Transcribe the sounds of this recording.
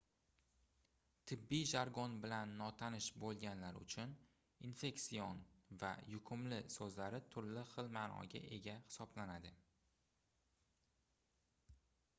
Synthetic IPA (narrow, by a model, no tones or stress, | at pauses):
t̪ʰɪbːijʒaɾɡɒnbɪlanːɒt̪ʰanɪʃbolˠɡʲanlaɾʊ̰t͡ʃʰʊn | infe̞ksijonva̰jʊkʰʊmlɪsɵzlaɾɪt̪ʰʊɾlɪχɨlmaːnɒ̰ɡʲa̰ʔe̞ɡʲahɪ̥sɒblanad̪ɪ